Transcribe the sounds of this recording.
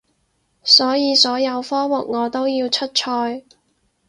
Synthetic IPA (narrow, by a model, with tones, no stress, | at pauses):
sɔː˨˥jiː˨˧sɔː˨˥jɐ˨˧wfɔː˥wʊ˨k̚ŋɔː˨˧t̪o˥wjiː˧wt͡ʃʰɵ˥t̚t͡ʃʰɔː˧j